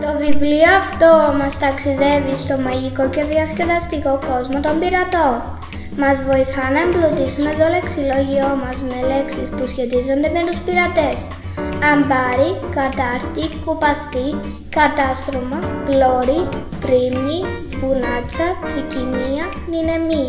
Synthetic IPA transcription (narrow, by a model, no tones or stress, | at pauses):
t̪o̞vivlioɐft̪o̞mɐst̪ɐksiðe̞vist̪o̞mɐʝiko̞ce̞ðiɐsce̞ðɐst̪iko̞ko̞zmo̞t̪o̞mbiɾɐt̪o̞n | mɐzvo̞iθɐnɐemblot̪isume̞t̪o̞le̞ksilo̞ʝio̞mɐzme̞le̞ksispusçe̞t̪izo̞nd̪e̞me̞t̪uspiɾɐt̪e̞s | ɐmbɐɾikɐt̪ɐɾt̪ikupɐst̪i | kɐt̪ɐst̪ɾomɐplo̞ɾi | pɾimɲi | ɣunɐt͡sɐticiniɐ | nine̞mi